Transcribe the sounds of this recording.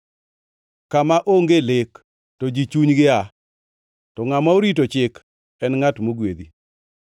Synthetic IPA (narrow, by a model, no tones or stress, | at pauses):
kamaʔoŋɡelɪk | tɔd͡ʒit͡ʃuɲɡɪa | tɔŋamaoɾit̬ot͡ʃɪk | ɛnŋatmoɡwed̪i